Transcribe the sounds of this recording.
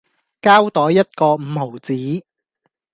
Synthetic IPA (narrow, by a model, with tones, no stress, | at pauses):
kaː˥wt̪ɔː˨˥jɐ˥t̚kɔː˧m̩˨˧ho˨˩wt͡siː˨˥